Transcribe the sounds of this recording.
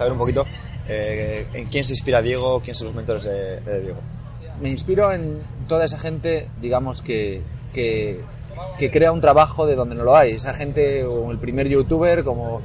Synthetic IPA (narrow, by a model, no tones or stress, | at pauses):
saβeɾumpokit̪o̞ | eḛŋkjens̬inspiɾaðje̞ɣ̞okjensolo̞zment̪oɾe̞zðeðeðje̞ɣ̞o | me̞inspiɾo̞en | t̪o̞ðae̞saxe̞nt̪e̞d̪iɣ̞amo̞skeke | kekɾe̞aunt̪ɾaβaxoðe̞ðo̞nd̪enoloajesaxe̞nt̪eŋe̞lpɾime̞ɾʝut̪uβ̞e̞ɾko̞mo